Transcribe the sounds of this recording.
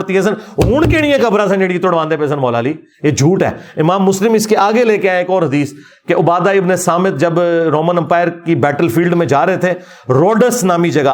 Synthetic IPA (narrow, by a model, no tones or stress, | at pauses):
ɽt̪iɦɛːs̬ənɦuːɳ̃keɽ̃ijẽkəbɾãsənd͡ʒeɽiit̪ʊɽʋãːnd̪eːpeːs̬ənmɔːlaːliː | eːd͡ʒʱuːʈɦɛ̰ːɪmãːmːʊslɪmɪskeʔaːɡeleːkeãeːkɔːɾɦɐd̪iːs | keʔʊbaːd̪aːɪbnesaːmɪt̪̚d͡ʒɐbɾoːmənə̃mpaːɪɾkibɛːʈəlfiːlɖmẽd͡ʒaːɾəɦet̪ʰeː | ɾoːɖəsnaːmid͡ʒɐɡaː